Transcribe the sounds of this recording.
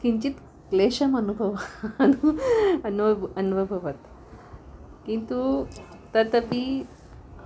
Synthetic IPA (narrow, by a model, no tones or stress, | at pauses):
kiɲt͡ɕiːt̪ | kleɕəmənubʱəʋanuənənbʱəbʱəʋat̪ | kint̪u | t̪ət̪əpi